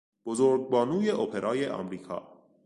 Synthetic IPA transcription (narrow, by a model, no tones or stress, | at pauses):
b̥ozoːɾɡ̚bɒːnuːjeʔopʰeɾʔɒːjeʔɒ̰ːmɾiːkʰɒ̰ː